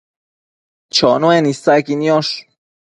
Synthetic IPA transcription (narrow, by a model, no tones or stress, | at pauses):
t͡ʃʰɔnoenisakinjɔʃ